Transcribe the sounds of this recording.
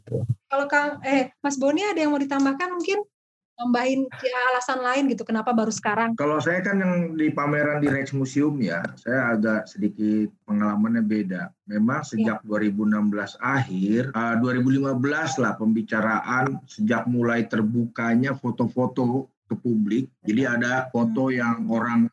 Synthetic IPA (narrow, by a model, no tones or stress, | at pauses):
kalokaŋɛmas̬boniadajaŋmawdit̪ambahkanmuŋkɪn | t̪ambaɦɪnjaːlasanlaɪnɡit̪ukənapabaɾusə̥kaɾaŋkalowsajakanjaŋdipameɾandiɾɛt͡ʃmusiʊmjasajaːɡaʔsədikɪt̪̚pəŋalamanɲabedamemaŋsəd͡ʒak̚duaɾibuənambəlasaɦɪrəduaɾibulimabəlaslahpəmbit͡ʃaɾaʔansəd͡ʒak̚mulajt̪ərbukaɲafot̪ofot̪ot̪upublɪk̚d͡ʒadiadafot̪ojaŋoɾaŋ